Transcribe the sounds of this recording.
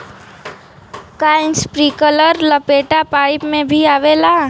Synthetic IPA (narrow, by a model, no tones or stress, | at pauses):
kaːɪnspɾiːkələɾləpeːʈapaːɪpmẽbʱiaːʋeːlaː